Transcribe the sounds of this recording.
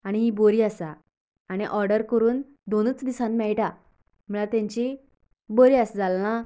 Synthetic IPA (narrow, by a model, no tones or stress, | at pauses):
aɽ̃iɦiboɾiːəsaː | ɽ̃iʔɔɾɖəɾkəɾuːn | d̪onət͡sd̪isãnmɛɭʈa | m̤əlat̪jãɲt͡ɕi | boɾiːasd͡zalːã